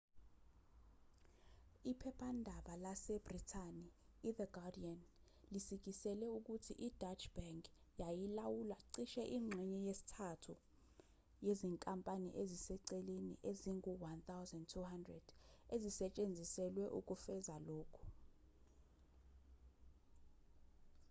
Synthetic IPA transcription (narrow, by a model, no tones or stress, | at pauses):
ipʰɛpʰandʱaɓalasɛb̥ritʰaniːðəɡadian | lisik̬isɛlɛuk̬utʰiʔid̥at͡ʃʰʼb̥aŋkʼ | jajilawulaǀiʃɛʔiŋ͡ǀʱɛɲɛjesi̥tʰatʰu | jeziŋkʼampʼanḭʔezisɛǀɛlenḭʔeziŋuwant̪awzɛndtʰuhandrɛd̥ezisɛt͡ʃʼend͡zʱisɛlwɛʔuk̬ʼufɛzaloːkʰu̥